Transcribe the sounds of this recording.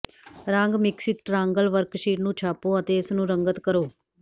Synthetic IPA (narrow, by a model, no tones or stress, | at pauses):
ɾãːŋɡmɪksɪk̚ʈɾãːŋɡəlʋəɾkʃiːʈnũːt͡ʃʰaːpoːət̪eːɪsnũːɾəŋɡət̪kəɾoː